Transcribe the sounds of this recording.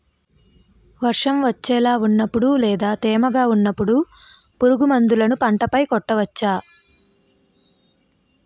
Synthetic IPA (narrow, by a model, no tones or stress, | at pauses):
ʋɐɾʂɐmʋɐt͡ʃːɛːlaːunːɐpːuɽulɛːd̪aːt̪ɛːmɐɡaːunːɐpːuɽu | puɾuɡumɐnd̪ulɐnupɐɳʈɐpɐjkɔʈːɐʋɐt͡ʃːaː